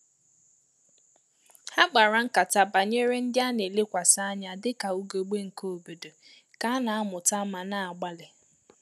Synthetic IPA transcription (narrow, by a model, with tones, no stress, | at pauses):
ha˦ɡ͡ba˨ɾa˨˦ŋ̩˦ka˨ta˦ba˨ɲe˦ɾe˦n̩˦dɪ˦a˦ne˨le˦kʷa˨sa˦a˦ɲa˨dɪ˦ka˨u˦ɡo˨ɡ͡be˦ŋ̩˨ko˦o˨bo˨do˨ | ka˦a˦na˨a˦mʊ˨ta˦ma˨na˨a˨ɡ͡ba˦lɪ˨